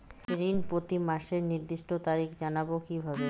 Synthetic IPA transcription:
eɾinpɾot̪imaʃeɾniɾd̪iʃʈʰot̪aɾikd͡ʑanabokibʱabe

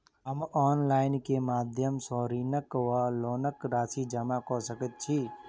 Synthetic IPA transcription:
ɦəmɔːnlaːɪnkemaːd̪ʱjəmsoːɾiːnəkʋaloːnəkɾaːsid͡ʒəmakoːsəkət̪̚t͡ʃʰiː

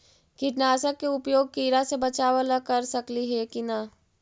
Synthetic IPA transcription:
kɪʈnaːsəkːeʊpjoːɡ̚kiːɾasebɐt͡ʃaːʋəlakɐɾsɐkliɦɛkina

